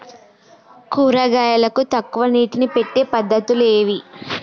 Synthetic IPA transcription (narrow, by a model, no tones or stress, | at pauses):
kuːɾaːɡaːjɐlɐkut̪ɐkːuʋɐniːʈinipe̞ʈːeːpɐd̪ːɐt̪ule̞ːʋi